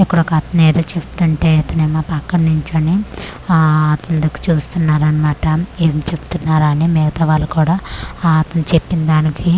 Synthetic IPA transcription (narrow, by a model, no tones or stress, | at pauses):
ekːuɽɐkɐt̪ɐneːd̪oːt͡ʃepu̥t̪uɳʈe̞ːɐt̪ɐneːmaːpakːɐnːuɲt͡ʃɐni | ɐt̪end̪ɐku̥t͡ʃuːst̪unːaːɾɐnɐmaːʈɐeːmt͡ʃe̞pu̥t̪unːaːɾɐnimɛːɡɐt̪ɐʋaːlːɐkuːɽaːɐt̪ɐnut͡ʃepːind̪aːnikʰi